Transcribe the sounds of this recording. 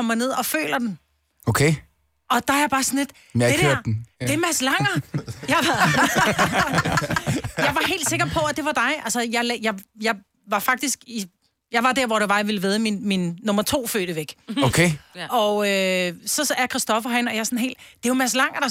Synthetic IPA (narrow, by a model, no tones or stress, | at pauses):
ɒmɐne̝ð̞̰ˠɒ̽fø̰ːlɐd̥en | okʰe | ʔɒ̽d̥ɑ̈æɐjb̥ɑ̈ːsɒn̩le̝d̥ | ed̥æɐ̰d̥e̝mæslɑ̈ŋ̰ɐjɑ | jɑ̈ɪʋɑ̈ɦe̝̰ːld̥se̝ɡ̥ɐpʰɒ̽æd̥e̝ʋɑ̈d̥ɑ̈ɪʔælsəjɑ̈ɪlɛjɑ̈ɪjɑ̈ɪ | ʋɑ̈fɑ̈ɡ̥̚d̥isɡ̥i | jɑ̈ɪʋɑ̈d̥æɐʋɒɾ̥eʋɑ̈ʋiləʋeðˠminminːɔ̽mɐt͡sʰo̝̰ːfø̰ːɾ̥əʋeɡ̥okʰeʔɒ̽øsɒ̽sæɐɐkʰʁɛsd̥ɒ̽fɐɦænɒ̽jasɒ̽nɦe̝̰ld̥d̥e̝jomæslɑ̈ŋ̰ɐd̥ɑ̈